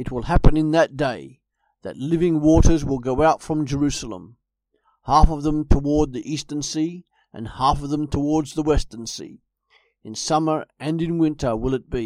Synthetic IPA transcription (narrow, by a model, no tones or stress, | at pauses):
ɨt̚wəlˠhæpɨ̃nɨ̃nðɨt̚d̥eɪ | ðɨ̰tˡlɪvɪ̃ŋwɔɾə˞zwəlˠɡoʊaʊtfɹʌ̃md͡ʒə˞ʉsl̩ˠə̰̃m | hæfʌvðə̃mtʰəwɔɹd̪̚ðiʔistə̃nsi | ʔɨ̰̃nhæfʌvðə̃mtʰəwɔɹdzðəwɛstə̃nsḭ | ɨ̃nsʌmə˞ɨ̃nɨ̃nwɪ̃ntʰə˞wɪlˠɨt̚b̥i